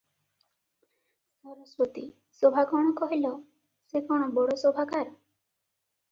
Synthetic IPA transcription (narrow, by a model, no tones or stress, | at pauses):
sɔɾɔsɾɔt̪i | sobʱaɡɔɽ̃ɔkɔɦilɔ | sekɔɽ̃ɔbɔɽosobʱakaɾ